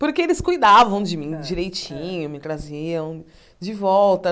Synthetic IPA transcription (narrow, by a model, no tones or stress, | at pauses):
poɾkeelɪskujd̪avɐ̃w̃d͡ʒɪmĩd͡ʒiɾejt͡ʃĩɲʊmɪt̪ɾaziɐ̃w̃ | d͡ʒɪvɔwt̪ɐ